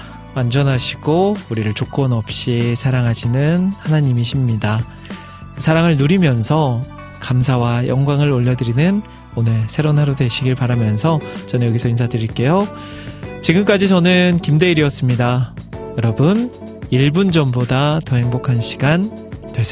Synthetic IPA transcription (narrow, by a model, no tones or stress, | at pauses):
wand͡ʑʌnɦaɕʰi̥ɡ̥ouɾiɾɯɭt͡ɕok͈wʌnʌp̚ɕ͈isʰaɾaŋɦaɕʰinɯnhanaɲimiɕʰimɲida | sʰaɾaŋɯɭnuɾimjʌnsʰʌ | kams̬ʰawajʌŋɡwaŋɯɾoʎːʌdɯɾinɯn | onɯɭsʰe̞ɾonɦaɾodwe̞ɕʰiɡiɭpaɾamjʌnsʰʌt͡ɕʌnɯɲjʌɡisʰʌinsʰadɯɾiɭk͈e̞jo | t͡ɕiɡɯmk͈ad͡ʑit͡ɕʌnɯnkimde̞iɾiʌs͈ɯmɲidajʌɾʌbɯn | iɭbund͡ʑʌmbodatʌɦeŋbokʰanɕʰi̥ɡantwes͈e